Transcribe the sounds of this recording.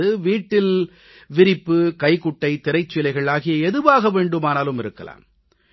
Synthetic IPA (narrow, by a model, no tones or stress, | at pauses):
ɯʋiːʈːɪl | ʋɪɾɪpːɯkɐɪkʊʈːɐɪt̪ɪɾɐɪt͡ʃːɪjlɐɪɣɐɭaːɣɪjɐɛðɯʋaːɣɐʋeːɳɖɯmaːnaːlɯmɪɾɯkːɐ̰la̰ːm